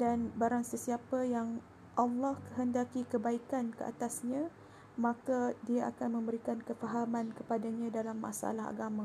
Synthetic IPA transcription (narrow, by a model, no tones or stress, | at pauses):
danbaɾaŋsəsiapajaŋ | ʔalːɔhkəɦəndakikəbaikankəʔa̰t̪asɲã | mãkadiaʔa̰kanmə̃mbəɾikankəfaɦamãnkəpadaɲãdalamːa̰sʔa̰laɦa̰ɡamã